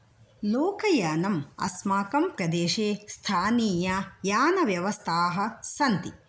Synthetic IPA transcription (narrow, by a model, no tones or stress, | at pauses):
loːkɐjɐːnɐmɐ̰smaːkɐmpɾɐd̪eːʃeːst̪ʰaːniːjajaːnɐʋjɐʋɐst̪ʰaːɦɐ̆sɐnt̪i